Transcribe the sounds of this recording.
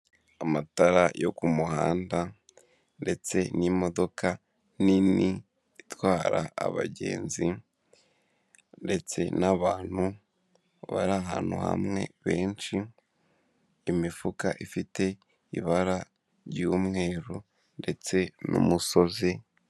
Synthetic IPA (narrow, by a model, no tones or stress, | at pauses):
amataɾajo̞kumuha̰ːnda | nde̞t͡se̞nimo̞do̞ka | nini | itwaːɾa̰ːβaɟe̞̰ːnzi | nde̞t͡se̞̰naβaːn̥hu | βa̰ɾaɦaːn̥hṵha̰mŋe̞̰βe̞ːnt͡ʃi | imifukaʔifite̞ | ḭβaɾa | ɾjuːmŋe̞ːɾu | nde̞t͡se̞nṵmuso̞ze